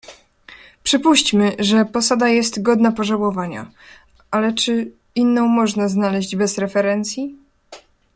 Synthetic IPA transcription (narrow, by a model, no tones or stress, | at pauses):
pʂɘpuɕt͡ɕmɘʐɛpɔsad̪ajɛst̪ɡɔd̪napɔʐawɔvaɲa̰ | alɛt͡ʂɘ | inːɔ̃w̃mɔʐnaznalɛʑd͡ʑbɛzɾɛfɛɾɛnt̪sʲji